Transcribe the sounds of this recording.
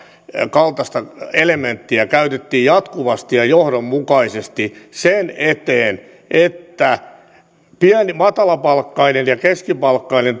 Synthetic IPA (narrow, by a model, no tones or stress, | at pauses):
kɑlt̪ɑst̪ɑelement̪ːiækæyt̪et̪ːiːjjɑt̪kuʋɑst̪ijɑjohdommukɑisest̪isenet̪eːn | ʔet̪ːæ | piænimɑt̪ɑlɑpɑlkːɑinenjɑkeskipɑlkːɑinen